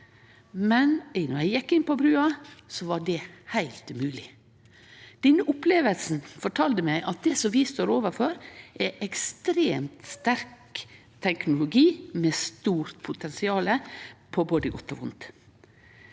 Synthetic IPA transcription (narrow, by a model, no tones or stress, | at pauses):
mɛnnɔɾæɪjɪkːɪnpɔbɾʉːɑsɔʋɑɖɛhæɪlt̪ʉmʉːlɪ | d̪̥ɛnːəʔʊpleːʋəlsn̩fɔʈʰɑːld̪əmæɪʔɑt̪̚d̪ɛsɔmʋɪst̪oːɾoːʋəɾfɔɾʔæʔɛkst̪ɾeːmt̪st̪æɾk | t̪ʰɛknʊlʊɡiːmest̪uːɾt̪pʰʊt̪ʰɛnsɪɑːləpʰɔboːd̪əɡɔt̪ːɔ̰ʋʊnt̪